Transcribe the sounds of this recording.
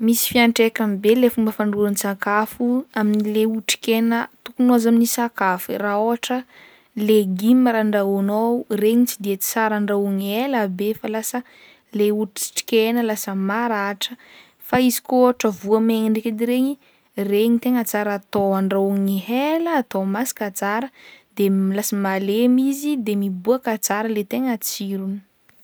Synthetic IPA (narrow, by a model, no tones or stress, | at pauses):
misi̥fiaɳʈ͡ʂekamibelefumbəfaɳɖ͡ʐuɾanisakafuaminileuʈ͡ʂi̥kʲenət̪ukunuazaminisakafiraoɦaʈ͡ʂə | leɡimaɾaɳɖ͡ʐaunowreɲit͡sid̪iet͡si̥t͡saɾaɳɖ͡ʐauŋielabefalasə | leuʈ͡ʂi̥ʈ͡ʂi̥kʲenəlasəmaɾaʈ͡ʂə | faizi̥koaʈ͡ʂəvuəmeŋiɳɖ͡ʐekid̪iɾeɲi | reɲit̪eŋət͡saɾat̪oaɳɖ͡ʐauŋiɦeləːt̪omasi̥kat͡saɾəd̪emilasəmalemizid̪emibuakat͡saɾəlet̪eŋət͡siɾuni̥